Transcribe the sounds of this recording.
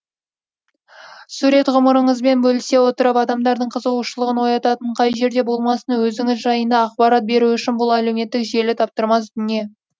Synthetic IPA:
suɾe̞t̪ʁʊməɾəɴəzbe̞nbɵlɪse̞wo̞t̪əɾɑpɑd̪ɑmd̪ɑɾd̪əɴqʰəzəuʃəlˠəʁənwo̞jɑt̪ɑt̪əɴqʰɑjʒe̞ɾd̪e̞bo̞lˠmɑsənwɵzɪŋɪzʒɑjənd̪ɑːqbɑɾɑt̪̚be̞ɾuʏʃɪnbʊlˠæle̞wme̞t̪ːɪkʒe̞lɪt̪ʰɑp̚t̪əɾmɑsd̪ʏne̞

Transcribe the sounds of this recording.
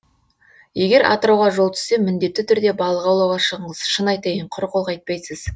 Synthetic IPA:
je̞ɡʲe̞ɾʔɑ̰t̪əɾɑwʁɑʒo̞lˠt̪ʰʏ̥se̞mɪnd̪e̞t̪ːɪt̪ʰʏɾd̪e̞bɑlˠəʁɑwlˠɑwʁɑʃəʁəɴəz̥ʃənɑjt̪ejəɴqʰʊɾqolˠqɑjt̪̚pɑjsəz

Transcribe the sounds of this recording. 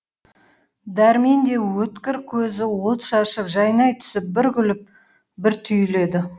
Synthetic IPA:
d̪æɾmend̪e̞wɵt̪kʲɪɾkʲʰɵzɪwot̪ʃɑʃəpʒɑjnɑjt̪ʰʏ̥sɪp̚bɪɾɡʲʏlɪp̚ | bɪɾt̪ʰʏjle̞d̪ɪ

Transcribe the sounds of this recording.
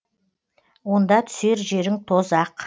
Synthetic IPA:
wo̞nd̪ɑt̪ʰʏ̥se̞ɾʒe̞ɾɪŋt̪ʰo̞zɑq

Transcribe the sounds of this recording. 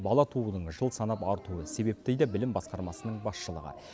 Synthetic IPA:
bɑlˠɑt̪ʰuənəɴʒəlˠsɑnɑpɑɾt̪uəse̞be̞p̚t̪ejd̪ɑbɪlɪmbɑsqɑɾmɑsənəɴbɑsʃəlˠə̰ʁə̰

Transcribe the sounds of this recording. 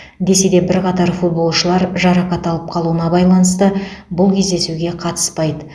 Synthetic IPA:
d̪e̞se̞d̪e̞bɪɾqɑt̪ɑɾfut̪̚bo̞lˠʃəlˠɑɾʒɑɾɑqɑt̪ɑlˠəp̚qʰɑlˠuənɑbɑjlˠɑnəst̪əbʊlˠkʲʰe̞zd̪e̞suɡʲe̞qʰɑt̪ə̥spɑjd̪ə

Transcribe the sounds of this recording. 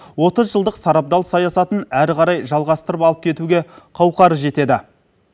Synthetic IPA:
wo̞t̪əzʒəlˠd̪əqsɑɾɑp̚d̪ɑlˠsɑjɑsɑt̪ənæɾʁɑɾɑjʒɑlˠʁɑst̪əɾəpɑlˠəp̚kʲʰe̞t̪uɡʲe̞qʰɑwqɑɾəʒe̞t̪e̞d̪ɪ

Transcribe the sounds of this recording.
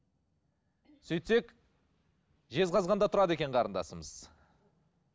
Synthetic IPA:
sɵjt̪se̞k | ʒe̞zqʰɑzʁɑnd̪ɑt̪ʰʊɾɑd̪e̞kʲe̞ɴqʰɑɾənd̪ɑ̰səməz̥

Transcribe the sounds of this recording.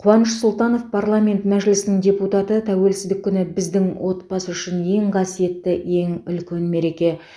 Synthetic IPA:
qʰʊwɑnəʃsʊlˠt̪ɑno̞fpʰarlˠamʲe̞nt̪mæʒɪlɪsɪnɪŋdʲe̞put̪ɑt̪ət̪ʰæwe̞lsɪzd̪ɪkʲʰːʏnɪbɪzd̪ɪŋwʔo̞t̪̚bɑsəʏʃɪne̞ŋqʰɑsije̞t̪ːɪe̞ŋʏlkʲe̞nme̞ɾe̞kʲe̞

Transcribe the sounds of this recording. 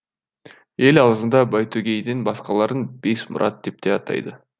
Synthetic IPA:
e̞lɑlˠzənd̪ɑbɑjt̪ʰøɡʲejd̪inbɑsqɑlˠɑɾənb̥e̞smʊ̰ɾʔɑt̪̚d̪ep̚t̪eɑt̪ɑ̰jd̪ə

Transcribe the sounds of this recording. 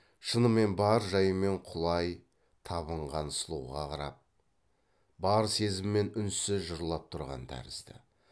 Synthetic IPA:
ʃənəmːe̞nbɑɾʒɑjəme̞ɴqʰʊlˠɑj | t̪ʰɑβəɴʁɑnsəlˠuwʁɑ̰qʰɑɾɑ̰p̚ | bɑɾse̞zɪmːe̞nʏnsɪʒʊɾəlˠɑp̚t̪ʰʊɾʁɑ̰nd̪æ̰ɾɪ̰zd̪ɪ̰

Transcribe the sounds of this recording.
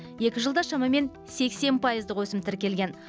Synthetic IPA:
je̞kʲɪʒəlˠd̪ɑʃɑmɑme̞n | se̞kse̞npʰɑjəzd̪əqwɵsɪmt̪ʰɪɾkʲe̞lɡʲe̞n

